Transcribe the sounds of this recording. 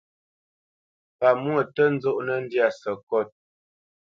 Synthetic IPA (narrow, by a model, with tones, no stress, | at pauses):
pa˨mu˦ə˨tə˦n̩˦d͡zo˦ʔnə˦n̩˦dja˨sə˨kɔ˦˨t̚